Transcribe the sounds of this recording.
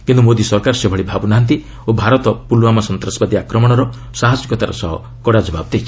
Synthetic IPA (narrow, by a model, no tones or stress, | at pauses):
kint̪umod̪isɔɾkaɾɔsebʱɔɭibʱabunaɦnt̪i | obʱaɾɔt̪ɔpulwamasɔnt̪ɾɔsbad̪iakɾɔmɔɽ̃ɔɾɔ | saɦad͡ʒikɔt̪aɾɔ̰sɔɦɔ̰ | kɔɽad͡ʒɔbabɔd̪ejt͡ʃʰi